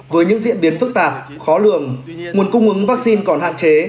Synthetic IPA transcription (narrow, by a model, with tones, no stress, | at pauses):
vəː˨˦jɲɨ̰˧˥ŋzḭ˧˨əmɓi˨˦ənfɨ˦˥k̚t̪aː˨˩p̚ | xɔ˨˦lɨ˧˩əŋŋu˨˩ənkʊ˧ŋ͡mʔɨ˨˦ŋvaː˦˥k̚si˧nkɔ˧˩nɦa̰ː˧˨nt͡ɕe˨˦